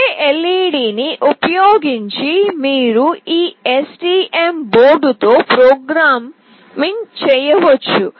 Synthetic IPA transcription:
ʔeliːɽiːniʔupɐjoːɡiɲt͡ʃimiːɾuiːesʈiːʔemboːɾɖut̪o̞ːpɾoːɡɾaːmː | int͡ʃɛːjɐʋɐt͡ʃːu

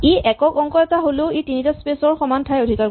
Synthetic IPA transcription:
eʔɛkɔkɔŋkɔɛtaɦoloetinitaspesɔɹxɔmantʰajodʱikaɹ

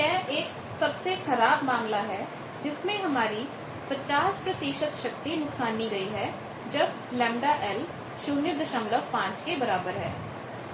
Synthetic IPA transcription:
jɛːeːk | sɐbsexɐɾaːbmãːŋlaɦɛ | d͡ʒɪsmẽɦɐmaːɾi | pɐt͡ʃaːspɾɐt̪iːʃət̪ʃɐk̚t̪inʊksaːnːiɡɐiɦɛ | d͡ʒɐb | lɛ̃ːmɖaʔɛl | ʃʊnjəd̪əʃəmləkpãːt͡ʃkebɐɾaːbəɾɦɛ̰ː

